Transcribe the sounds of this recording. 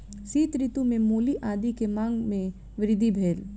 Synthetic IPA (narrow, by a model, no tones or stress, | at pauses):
siːt̪ɾɪt̪umẽmoːliʔaːd̪ikemãːŋɡmẽ | ʋɪɾɪd̪ʱibʱeːl